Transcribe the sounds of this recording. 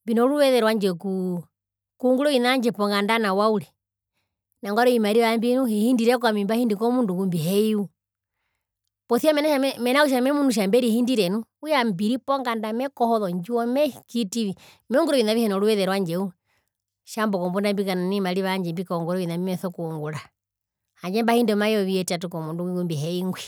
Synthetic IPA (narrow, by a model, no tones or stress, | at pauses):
mbinɔɾuwɛðɛɾwaɲd͡ʒɛku | kuŋɡuɾɔinaɲd͡ʒɛpɔŋɡandanawauɾɛ | naŋɡɔɾɔimaɾiβambinuhihindiɾɛk̬wamimbahindikɔmundukumbiɦɛiu | pɔθiamɛnaʃaɛmɛnauʃ̬amɛmunuʃ̬ambɛɾihindiɾɛnuujambiɾipɔŋɡandamɛkɔhɔðɔɲd͡ʒuɔmɛkitiʋi | mɛuŋɡuɾɔʋinaβihɛnɔluβɛðɛɾwaɲd͡ʒɛu | ʃambɔkɔmbɔndambikananimaɾiβaɲd͡ʒɛmbikɔŋɡuɾɔʋinamimɛθɔkuŋɡuɾa | haɲd͡ʒɛmbahindɛmajɔβiɛtatukɔmunduiɡumbiɦɛiŋɡwi